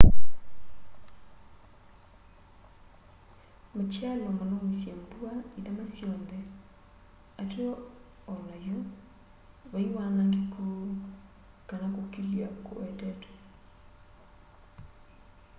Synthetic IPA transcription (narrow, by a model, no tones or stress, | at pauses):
mat͡ʃalewamɔnomisjembuaiðamasjɔndɛ | ateɔ | ɔnajo | βaiwanaŋɡekʰo | kanakokiliako̰ɛtɛtɛ̥